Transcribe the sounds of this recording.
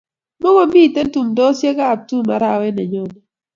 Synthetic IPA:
mo˦ɡo˦mbi˦˨te˦ntu˨mdɔ˦sje˦ka˦˨p̚tu˦ma˨ɾa˦˨wɛ˦nɛ˨ɲo˦nɔ˨

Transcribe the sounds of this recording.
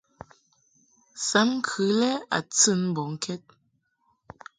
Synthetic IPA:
sa˨˦mŋ̩˦kʰɨ˨˦lɛ˦a̰˨t͡sɨ˦˨nm̩˦bɔ˨ŋ̩˦kʰɛ˦t̚

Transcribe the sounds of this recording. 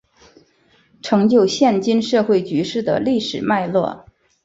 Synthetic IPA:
ʈ͡ʂʰɤ˧˥ŋt͡ɕjo˥˧ʊɕjɛ˥˩nt͡ɕi˥nʂɤ˥˧xwe˥˩ɪt͡ɕy˧˥ʂɻ̩˥˩d̪ə̰˩li˥˩ʂɻ̩˨˩ma˥˧ɪlwɔ̰˥˩

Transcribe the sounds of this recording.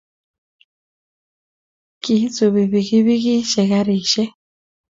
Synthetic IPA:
ki˨˦t͡su˨βi˨βi˨ɣi˦βi˦ɣi˦ʃɛ˨ɣa˦ɾiː˨ʃɛ˦

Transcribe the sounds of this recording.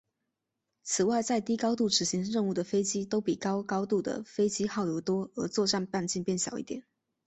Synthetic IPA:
t͡sʰɹ̩˨˩wa˥˧ɪt͡sa˥˩ɪt̪i˥kɑ˥ʊt̪u˥˩ʂɻ̩˨˩ɕi˧˥ŋɻə˥˧nu˥˩d̪ə˩fe˥ɪt͡ɕi˥t̪o˥ʊpi˨˩kɑ˥ʊkɑ˥ʊt̪u˥˩d̪ə̰˩fe˥ɪt͡ɕi˥xɑ˥˩ʊjo˧˩ʊt̪wɔ˥ə˧˥t͡swɔ˥˧ʈ͡ʂa˥˧npa˥˧nt͡ɕi˥˧npjɛ˥˩nɕjɑ̰˨˩ʊʔḭ˥˩t̪jɛ˨˩˦n

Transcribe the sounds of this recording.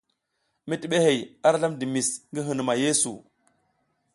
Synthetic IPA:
mi˦ti˨ɓe˦he˨ja˦ɾɬa˦mdi˨mi˨sŋɡi˦ɦɨ˨n˨ma˨je˦sṵ˨

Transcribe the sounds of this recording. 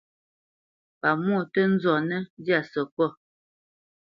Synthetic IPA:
pa˨mwɔ˦˨tə˦n̩˦zɔ˨nə˦dja˨sə˨kɔ˦˨

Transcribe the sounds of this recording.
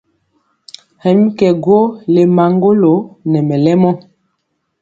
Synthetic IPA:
hɛ˨mi˦kɛ˨ɡo˦le˨ma˨ŋɡo˦lo˨˦nɛ˨mɛ˨lɛ˦mɔ˦

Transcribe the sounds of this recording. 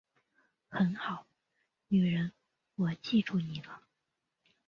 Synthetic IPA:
xə˧˥nxɑ˨˩˦ʊ | ny˨˩ɻə˧˥n | wɔ˨˩t͡ɕi˥˧ʈ͡ʂʰu˥˩ni˨˩lə˦

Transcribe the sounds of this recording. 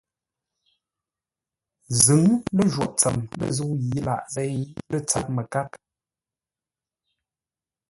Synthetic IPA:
zɨ˨˦ŋlə˦˨ʒwɔ˨ʔt͡sə˨mlə̰˦˨zə˦ji˨˦la̰˨ʔzɛ˦jlə˦t͡sa̰˨t̚mə˨ka˦k

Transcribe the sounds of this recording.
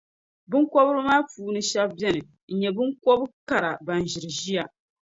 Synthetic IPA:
bɨ˦ŋkɔ˦bɨ˦ɾɨ˦maː˦puː˨˦˨nɨ˦ʃa˦bbɛ˦nɨ˨ | n̩˨ɲɛ˨bɨ˦ŋko˦bɨ˦ka˨ɾa˨ba˨n˨ʒɪ˨ɾɨ˨ʒi˦ja˨

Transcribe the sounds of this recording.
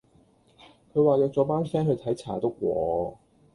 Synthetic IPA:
kʰɵ˨˧ɥwaː˨jœː˧k̚t͡sɔː˨˥paː˥nsɛː˥ŋɦɵ˧t̪ʰɐ˨˥jt͡sʰa̰ː˨˩t̪o˥k̚wʷɔː˨˧

